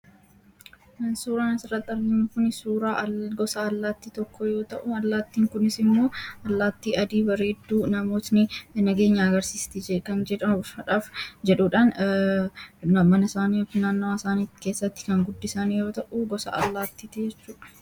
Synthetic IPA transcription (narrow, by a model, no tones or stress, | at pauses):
suːɾaːnɪsɪrːɐt̪ːɐɾɡɪnʊkʊnsuːɾaːɡɔsaɐlːaːt̪ːiːt̪ɔkːɔjo̞ːt̪ɐʔʊɐlːaːt̪ːiːŋkʊnɪsɪmːo̞ːɐlːaːt̪ːiːʔɐd̪iːbɐɾe̞ːd̪ːuːnɐmoːt̪nɪnɐɡe̞ːɲːaɐɡɐɾsiːst̪ɪd͡ʒɛkɐnd͡ʒɛᶑɐmɐᶑaːfd͡ʒɛᶑuːᶑaːn | nɐmɐnɐɪsaːniːɔfɪnaːnːwaːɪsaːniːt̪ːɪ̥ke̞ːsːɐt̪ːɪ̥kɐŋɡʊd̪ːɪsanijo̞ːt̪ɐʔuɡɔsa̰ʔɐ̰lːaːt̪ːiːt̪ɛd͡ʒɛt͡ʃːuːᶑɐ̥